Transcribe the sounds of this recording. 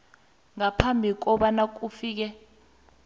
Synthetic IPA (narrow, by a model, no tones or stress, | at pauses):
ŋapʰambʱik̬ɔɓanak̬ufiːk̬ɛ